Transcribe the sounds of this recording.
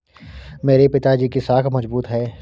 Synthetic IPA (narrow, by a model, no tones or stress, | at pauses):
meːɾepɪt̪ad͡ʒiːkisaːkʰmɐzbuːt̪ɦɛː